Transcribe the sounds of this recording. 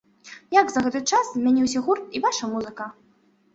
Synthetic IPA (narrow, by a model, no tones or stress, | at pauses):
jaɡzɐɣɛt̪ɨt͡ʂasʲmʲanʲiwsʲɐɣurt̪̚ivaʂɐmuzɨkɐ